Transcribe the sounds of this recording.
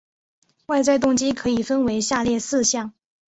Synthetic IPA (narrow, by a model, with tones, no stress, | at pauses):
wa˥˧ɪt͡swa˥˧ɪt̪̬ʊ˥˧ŋt͡ɕi˥kʰɤ˧˥i˨˩fə˥nwe˧˥ɪɕja˥˧ljɛ˥˧sɹ̩˥˧ɕjɑ˥˩ŋ